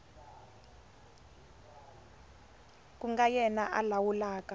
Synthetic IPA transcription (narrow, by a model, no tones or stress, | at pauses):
k̬ʼuŋɡajɛnaʔa̰lawulaːka